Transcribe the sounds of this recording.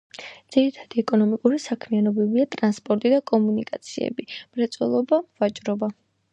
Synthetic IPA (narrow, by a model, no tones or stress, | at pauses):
d̪z̥iɾit̪ʰad̪̥iɛkʼɔnɔmikʼuɾisakʰmianɔbɛbiat̪ʼɾanspʼɔɾt̪ʼid̪akʼɔmunikʼat̪sʰiɛ̰bimɾɛt̪sʼwɛ̰lˠɔbavat͡ʃʼɾɔba